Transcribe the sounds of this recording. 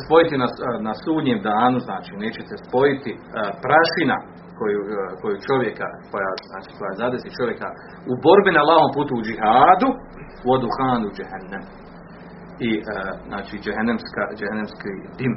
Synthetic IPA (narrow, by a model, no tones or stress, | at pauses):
spo̞jit̪inanasuːd̪ɲeːmd̪aːnuznaːt͡ʃiːne̞ːt͡ɕe̞t̪espo̞jit̪i | pɾaʃina̰ | kojuko̞jut͡ʃo̞ʋje̞ka̰kʰo̞jaːznaːt͡ʃi̥ːko̞jazad̪esit͡ʃo̞ʋje̞ka | ubo̞ɾbinalˠaːʋompuːt̪uud͡ʒiɦaːd̪u | uod̪uxaːnud͡ʒehanːam | iznaːt͡ʃiːd͡ʒeɦanːamska̰d͡ʒehanːamskiːd̪im